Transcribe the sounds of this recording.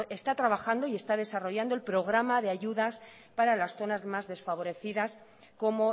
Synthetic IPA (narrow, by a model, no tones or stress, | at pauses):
e̞st̪at̪ɾaβaxand̪o̞ie̞st̪að̞e̞saro̞ʝand̪oe̞lpɾo̞ɣ̞ɾamaðe̞aʝuðas | paɾalasθo̞nazmazðe̞sfaβ̞o̞ɾe̞θiðas | ko̞mo̞